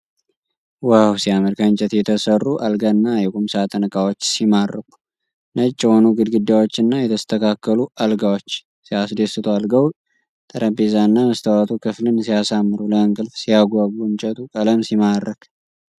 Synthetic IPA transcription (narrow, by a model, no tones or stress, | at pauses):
wawsijaməɾkʰant͡ʃʼɛt̪jɛt̪ʰəsərːuʔalɡanːajɛkʼumsat̪ʼənəkʼawot͡ʃːsimarːəkʼu̥ | nət͡ʃʼːɛho̞nuɡɨd̪ɡɨd̪awot͡ʃːɨnːajɛt̪ʰəst̪ʰəkʰakːəluʔalɡawot͡ʃː | sijasd̪esɨt̪ʰualɡəw | t̪ʼəɾʔəbezaɨnːaməst̪ʰawat̪ʰukʰɨflɨnsijasamːɨɾuləɨŋkʼɨlfsijaɡʷaɡluɨnt͡ʃʼɛt̪ʰʼukʼələmsimarːəkʰ